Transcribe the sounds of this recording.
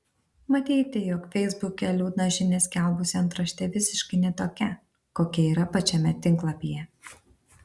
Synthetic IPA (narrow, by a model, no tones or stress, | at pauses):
mɐt̪ʲiːt̪ʲɪjɔkfʲɛɪzbʊkʲɛlʲuːd̪nɐʒʲɪnʲesʲkʲɛˑlˠbʊsʲɪɐnt̪ɾɐʃʲt̪ʲɛʋʲɪsʲɪʃkɐɪnʲɛt̪oːkʲɛ | koːkʲɛiːɾɐpɐt͡ʃʲɛmʲɛt̪ʲɪŋˑklˠɐpʲijɛ